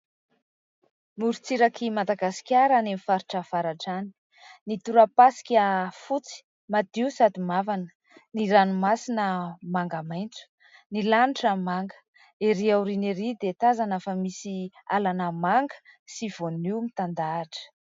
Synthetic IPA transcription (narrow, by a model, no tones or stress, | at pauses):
muɾut͡siɾakimad̪aɡasi̥kʲaɾanemifaɾiʈ͡ʂafaɾaʈ͡ʂani̥ | nit̪uɾapasi̥kʲəfut͡si̥ | mad̪iusad̪imavanə̥ | niɾanumasinəmaŋɡamajnt͡su̥ | nilaniʈ͡ʂəmaŋɡə̥ | eɾiawɾineɾid̪et̪azanafəmisialanəmaŋɡə̥siv̥onimit̪and̪aːʈ͡ʂə̥